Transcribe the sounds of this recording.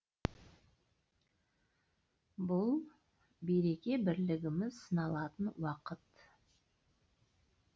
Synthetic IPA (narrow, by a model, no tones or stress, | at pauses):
bʊlˠ | bejɾe̞kʲe̞bɪɾlɪɡʲɪmɪzsənɑlˠɑt̪ənwɑqət̪